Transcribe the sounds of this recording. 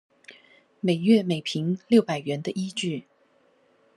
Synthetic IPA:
me˨˩ɪɥɛ˥˩me˨˩ɪpʰi˧˥ŋljo˥˩ʊpa˨˩ɪɥɛ˧˥nd̪ə˧ʔi˥t͡ɕy˥˩

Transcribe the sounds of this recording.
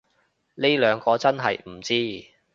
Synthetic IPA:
ne˥lœː˨˧ŋkɔː˧t͡sɐ˥nɦɐ̰˨jm̩˨˩t͡siː˥

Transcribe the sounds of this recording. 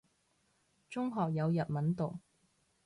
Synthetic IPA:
t͡sʊ˥ŋɦɔː˨k̚jɐ˨˧wjɐ˨t̚mɐ˨˥nt̪o˨˩w

